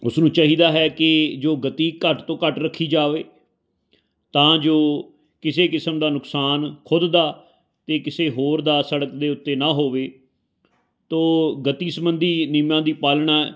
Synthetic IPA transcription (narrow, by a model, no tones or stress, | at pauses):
ʊsnũːt͡ʃaːɦiːd̪aːɦɛːkɪd͡ʒoːɡət̪iːkəʈt̪õːkəʈɾəkʰːiːd͡ʒaːʋeː | t̪ãːd͡ʒoː | kɪseːkɪsəmd̪aːnʊksaːnkʰʊd̪d̪aː | t̪eːkɪseːɦoːɾd̪aːsəɽəkd̪eːʊt̪ːeːnaːɦoːʋeː | t̪oːɡət̪iːsəmbənd̪iːnɪmjãːd̪iːpaːlɳaː